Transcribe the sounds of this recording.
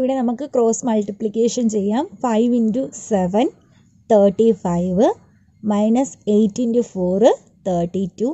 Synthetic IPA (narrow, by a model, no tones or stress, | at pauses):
iʋiɽe̞nɐmukːɨkɾo̞ːsmɐlʈiplikʲːeːʂɐnt͡ɕejːaːmfɐjʋinduseʋɐn | t̪ʰɐːʈːifɐjʋɨ | mɐjnɐsejtːindufoːr | t̪ʰɐːʈːitːuː